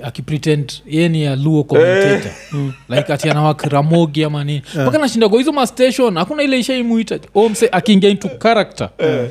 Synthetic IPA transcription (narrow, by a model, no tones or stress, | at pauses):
akipɾitɛndjɛnijaluɔkɔmteta̰laikatianawakiɾamɔɡiamaninimakanaʃindaɡɔizɔmastɛʃɔnhakunailɛiʃaimuitaɔɛmsɛʔakiːŋɡantukaɾak̚ta̰